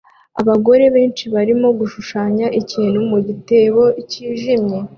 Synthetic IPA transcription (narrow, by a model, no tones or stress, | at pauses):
a̰βaɡo̞ɾe̞βeːnt͡ʃiβaɾimo̞ɡuʃuʃaːɲaʔicin̤umuɟite̞βo̞iciːʒimɲe̞